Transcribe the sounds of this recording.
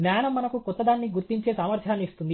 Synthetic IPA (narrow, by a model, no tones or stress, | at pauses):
naːnɐmːɐnɐkukɔt̪ːɐd̪aːnːiɡuɾt̪iɲt͡ʃeːsaːmɐɾt̪ʰjaːnːiist̪und̪i